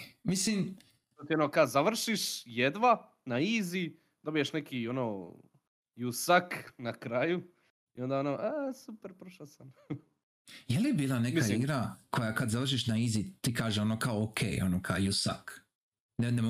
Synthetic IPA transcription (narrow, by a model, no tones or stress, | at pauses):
mislim | t̪ot̪ionokazaʋr̩ʃiʃjed̪ʋa | naiːzi | d̪o̞bijeʃnekionoː | jusaknakɾaju | io̞nd̪aonoʔasupeɾpɾoʃasan | jeliebiːlˠanemikaiɡɾakʰojakad̪zaʋr̩ʃiʃnaizit̪ikaːʒeo̞nokaookʰḛːjonokʰaojusa̰k | nenemo